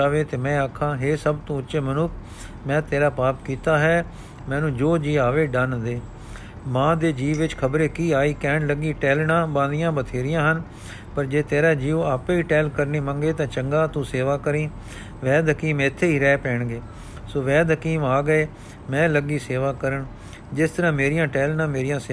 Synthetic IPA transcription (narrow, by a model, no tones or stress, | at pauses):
aːʋeːt̪eːmɛ̃ːaːkʰːãːɦeːsəbt̪õːʊtːʃeːmənʊkʰ | mɛ̃ːt̪eːɾaːpaːpkiːt̪aːɦɛː | mɛ̃ːnũːd͡ʒoːd͡ʒiːaːʋeːɖand̪eː | mãːd̪eːd͡ʒiːʋʋɪt͡ʃkʰəbɾeːkiːaːiːkɛːɳləɡiːʈɛːlɳãːbãːnd̪ɪjãːbət̪ʰeːɾɪjãːɦən | pəɾd͡ʒeːt̪eːɾaːd͡ʒiːoaːpːiːʈɛːlkəɾneːmə̃ŋɡeːt̪ãːt͡ʃəŋɡaːt̪ũːseːʋaːkəɾiː | ʋɛːd̪kiːmɪt̪ʰːeːiːɾɛːpɛːɳɡeː | soːʋɛːd̪kiːmaːɡəeː | mɛ̃ːləɡiːseːʋaːkəɾəɳ | d͡ʒɪst̪əɾãːmeːɾɪjãːʈɛːlnãːmeːɾijãːseː